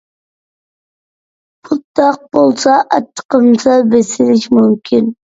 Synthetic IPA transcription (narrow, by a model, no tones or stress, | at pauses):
pʰʊt̪ːɑq̚b̥olˠsɑʔɑt̪ʰːə̥qəmsɑbesɪlɪʃmumkʲʰɪn